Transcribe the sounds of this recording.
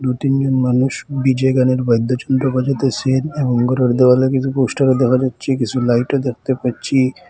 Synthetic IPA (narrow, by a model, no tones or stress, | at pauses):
ɾuʈind͡ʑonmanuʃbid͡ʑɔɡaneɾbajd̪ʱːot͡ʃɔnd̪ɾobad͡ʒat̪et͡ʃʰeneboŋɡɔɾɔɾd̪ebalekit͡ʃʰuposʈaɾod̪ɛkʰad͡ʒatːʃʰikit͡ʃʰulajʈod̪ek̚ʰt̪epaɾʰi